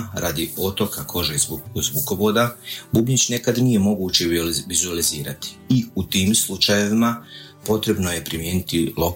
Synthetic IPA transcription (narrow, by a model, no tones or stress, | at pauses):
ɾʔa̰ːd̪io̞t̪o̞kakʰo̞ʒezbuko̞ʋo̞ːd̪abubɲit͡ɕnekad̪nije̞mo̞ɡuːt͡ɕeʋizualiziːɾat̪i̥ːut̪iːmslˠut͡ʃaje̞ʋimapo̞t̪ɾe̞bno̞je̞pɾimje̞ːnit̪ilo̞k